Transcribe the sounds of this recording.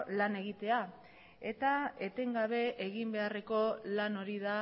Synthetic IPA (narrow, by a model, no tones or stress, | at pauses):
lane̞ɣit̪e̞a | e̞t̪ae̞t̪e̞ŋɡaβ̞e̞ʔeɣimbe̞are̞ko̞lano̞ɾiða